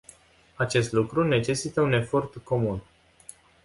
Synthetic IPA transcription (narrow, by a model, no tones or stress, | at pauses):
at͡ʃe̞st̪lukɾune̞t͡ʃe̞sit̪əune̞fo̞rt̪ko̞mun